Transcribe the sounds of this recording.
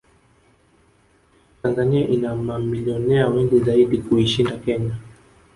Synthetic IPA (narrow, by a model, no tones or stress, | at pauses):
tanzaniaʔinamamiliɔnɛawɛŋɡizaiɗikuiʃindakɛɲa